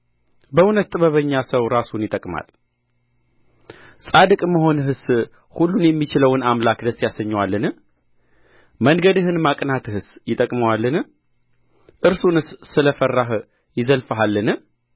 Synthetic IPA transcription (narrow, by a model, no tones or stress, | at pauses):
bəunət̪ːʼɨβəβəɲːasəwɾasunjɪt̪ʼəkʼma̰l | sʼad̪ɨkʼməɦo̞nɦɨs | hulːunjɛmːit͡ʃɪləwɨnamlakd̪əsːjasəɲːwalːɨn | məŋɡəd̪ɨɦɨnmakʼnat̪ʰɨhɨsjɪt̪ʼəkʼməwalːɨn | ʔɨɾsunɨsːɨləfərːaɦ | jɪzəlfɦalːɨnɨ